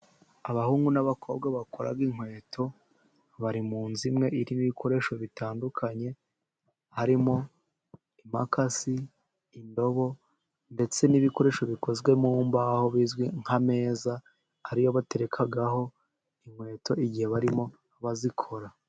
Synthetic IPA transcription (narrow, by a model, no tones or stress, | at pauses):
aβahuːŋɡunaβakʰo̞b̚ɡaβakʰo̞ɾa̰ɡiŋ̥we̞ːtʰo̞ | βaɾimuːnzimŋe̞iɾiniβikʰo̞ɾe̞ʃo̞βitaːndukʰaɲe̞ | haɾimo̞ | imakasiː | ndo̞βo̞ | nde̞t͡se̞niβiko̞ɾe̞ʃo̞βiko̞zɡwe̞mumbaho̞βiːzɡwiŋ̥hame̞ːzaː | ɾijo̞βate̞ɾe̞kʰaɡaɦo̞ | iŋ̥hwe̞ːto̞iɟihe̞βaɾimo̞ | βazikʰo̞ɾa